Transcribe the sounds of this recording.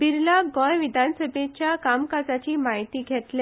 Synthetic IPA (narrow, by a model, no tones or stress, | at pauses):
biɾlaɡɔ̃jʋid̪ʱansəbʱet͡ɕjakamkad͡zat͡ɕiːmaɦit̪iːɡʱet̪le